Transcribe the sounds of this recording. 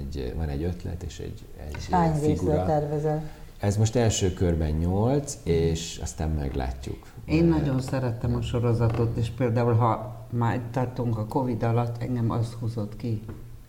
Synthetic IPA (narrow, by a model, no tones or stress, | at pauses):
ɟvɒnɛɟø̞t̪lɛ̰t̪ḛːʃɛ̰ɟ | ɛ̰ɟaːɲveiɡuɛɛrvɛzɛ | ɛzmo̞ʃt̪ɛlʃøːkørbɛɲɲolt̪seːʃɒ̰st̪aːmmɛ̰ɡla̰ːcːṵk | eːnːɒɟo̞nsɛɾɛt̪ɛmɒʃo̞ɾo̞zɒt̪o̞t̪eːʃpeːld̪aːulɦɒmaːt̪ɒrt̪uŋkɒko̞vid̪ɒlɒt̪ːɛ̰ŋɡɛmɒ̰st̪huzo̞t̪ki